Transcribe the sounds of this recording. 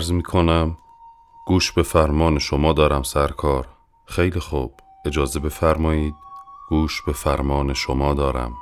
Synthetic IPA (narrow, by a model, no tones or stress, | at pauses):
æɾzmiːkʰonæm | ɡ̥uːʃbe̞fæɾmɒːneʃomɒːd̪ɒːɾæmsæɾkʰɒːɾ | xejlixuːb̥ | e̞d͡ʒɒːzebe̞fæɾmɒːjiːd̪̚ɡ̥uːʃbe̞fæɾmɒːneʃomɒːd̪ɒːɾæ̰m